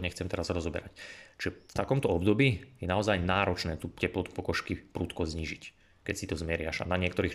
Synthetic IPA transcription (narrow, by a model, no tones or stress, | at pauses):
ɲɛxt͡sɛmt̪ɛɾasaɾɔzɔbɛ̰ɾact͡ʃʒɛft̪akɔmt̪ɔɔbd̪ɔbiːjɛnaɔzajnaːɾɔt͡ʃnɛːt̪uːcɛplɔt̪u̥pɔkɔʃkipɾuːt̪kɔzɲiːʒic | kɛcsit̪ɔzmɛɾɪaʒa̰naɲɪɛkt̪ɔɾiːx